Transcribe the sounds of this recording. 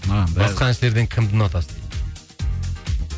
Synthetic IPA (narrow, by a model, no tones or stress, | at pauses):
bɑsqʰɑnɪʃleɾd̪ɪŋkʲʰɪmd̪ɪnɑt̪ʰɑsd̪e